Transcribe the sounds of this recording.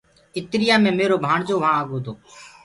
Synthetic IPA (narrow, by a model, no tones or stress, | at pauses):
ɪt̪ɾɪjaːmẽːmeːɾoːbʱaːɳd͡ʒoːʋãːaːɡoːd̪ʱoː